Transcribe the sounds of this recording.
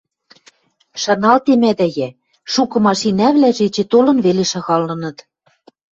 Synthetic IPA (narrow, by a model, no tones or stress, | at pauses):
ʃɑnɑlt̪emæd̪æjæ | ʃukɤ̆mɑʃinæβlæʒet͡ɕĕt̪olɤ̆nβeleʃɑɣɑlːɤ̆nɤ̆t̪